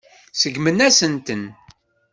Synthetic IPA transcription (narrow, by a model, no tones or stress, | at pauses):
səɡmənæsənt̪ən